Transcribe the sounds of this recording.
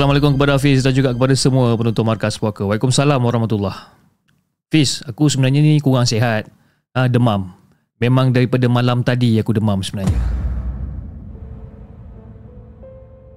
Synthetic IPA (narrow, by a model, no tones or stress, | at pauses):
salamalekʊmkəpadafisdand͡ʒuɡaʔkəpadasəmuəpənɔnt̪ʊnmarkaspokəwalikʊmsalamwaɾahmat̪ulːah | fisakusəbənaɲanikuɣaŋseɦat̪̚ | ədəmam | memãŋdaɾipadəmalamt̪adiakudəmamsəbənarɲa